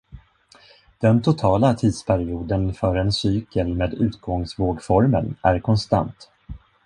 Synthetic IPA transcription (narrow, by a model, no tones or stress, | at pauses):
d̪̥ɛnt̪ʰʊt̪ʰɑːlat̪ʰiːd̪spʰæɾɪuːd̪ənfœːɾɛnsyːkəlmeːd̪ʉ̟ːt̪̚ɡɔŋsvoːɡfɔɾmə̰næɾkʰɔnst̪a̰nt̪